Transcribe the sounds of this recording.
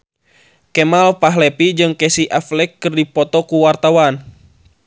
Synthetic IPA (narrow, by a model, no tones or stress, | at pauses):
kɛmalpaɦlɛpid͡ʒɨŋkɛsiʔaflɛkːɨrdipɔt̪ɔkuwart̪awan